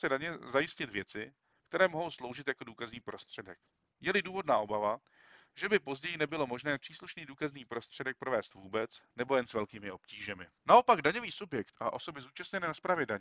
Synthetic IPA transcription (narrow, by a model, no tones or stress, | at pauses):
sɛdaɲɛzajɪscɪt̪vjɛt͡sɪ | kt̪ɛɾɛːmoɦowslo̞wʒɪt̪jako̞duːkazniːpɾo̞st̪r̝̥ɛdɛk | jɛlɪduːvo̞dnaːʔo̞bava | ʒɛbɪpo̞zɟɛjɪnɛbɪlo̞mo̞ʒnɛːpr̝̥iːsluʃniːduːkazniːpɾo̞st̪r̥ɛdɛk̚pɾo̞vɛːst̪vuːbɛt͡snɛbo̞jɛnsvɛlkiːmɪo̞pciːʒɛmɪ | naʔopaɡdaɲo̞viːsubjɛkt̪ʔa̰ʔo̞so̞bɪzuːt͡ʃast̪ɲɛnɛːnaspɾaːvjɛdaɲ